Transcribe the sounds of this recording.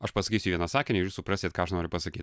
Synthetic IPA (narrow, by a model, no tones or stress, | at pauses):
ɐʃpɐsɐkʲiːsʲʊʋʲiɛnɐsɑːkʲɪnʲɛɪɾʲusʊpɾɑːsʲeːt̪̚kɑːɐʃnoːɾʲʊpɐsɐkʲiːt